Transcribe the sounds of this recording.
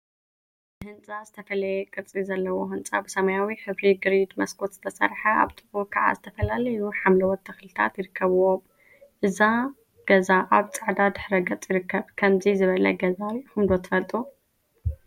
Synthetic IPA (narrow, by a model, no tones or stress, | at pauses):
ɨhɨnt͡sʼazɨt̪ʰɐfɐlɐjɛkʼɨɾt͡sʼizɐlːɐwohɨnt͡sʼabɨsɐmajawiħɨβɾiɡɨɾid̪mɐskʰo̞t̪zɨ̥t̪ʰɐsɐ̰ɾħɐʔa̰βt̪ʼɨbukʰɐʕa̰zɨt̪ʰɐfɐlalɐjuħamlɐwɔt̪ʰːɐxlɨt̪ʰa̰t̪jɪɾɨkʰːɐβuwom | ʔɨza | ɡ̥ɐzaʔaβt͡sʼaʕd̪ad̪ɨħɾɐɡɐt͡sʼjɪɾɨkʰːɐβkʰɐmzizɨβɐlɐ̰ɡɐzaxɨmd̪o̞t̪ʰɨfɐlt̪ʼu